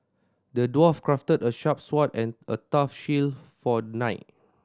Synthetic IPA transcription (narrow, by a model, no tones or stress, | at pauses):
dədwɔfkɹaftədəʃap̚swɔtɛ̃nətafʃilfɔnaɪt̚